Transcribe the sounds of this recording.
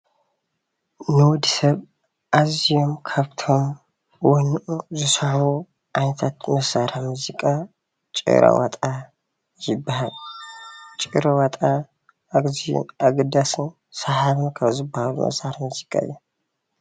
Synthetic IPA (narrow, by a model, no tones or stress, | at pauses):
nɨwd̪sɐβ | ʔazijo̞mkʰaβt̪ʰo̞m | wɔnʔuzɨsħu | ʔant̪ʰat̪məsaɾamuzikʼa | t͡ʃʼɨ̰ɾa̰wɔ̰t̪ʼa | jɪbːahal | t͡ʃʼɨɾawɔt̪ʼa | zḭnʔaɡd̪asɨn | sahaβɨnkʰɐβzɨbːahalṵmɐ̰saɾamuzikʼa̰jɛ